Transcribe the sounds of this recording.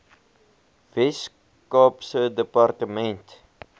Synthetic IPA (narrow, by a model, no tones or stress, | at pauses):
vɛs | kɔpsədəpɑrtəmɛnt